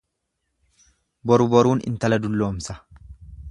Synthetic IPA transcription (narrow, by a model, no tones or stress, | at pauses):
bɔɾʊbɔɾuːnɪ̰nt̪ɐlɐd̪ʊlːo̞ːmsɐ̥